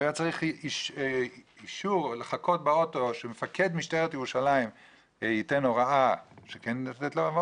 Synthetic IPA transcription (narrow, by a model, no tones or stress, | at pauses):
ajat͡saʁiχiʃeiʃuʁleχakʰo̞t̚baoto̞ʃemefakʰed̪miʃtaeʁetjeʁuʃalaim | jitenoʁaaʃekenlat̪ɛt̪lobama